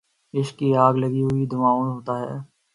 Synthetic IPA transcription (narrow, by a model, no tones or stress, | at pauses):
ɪʃkiaːɡləɡiɦʊid̪ʊmãːõnɦoːt̪aːɦɛː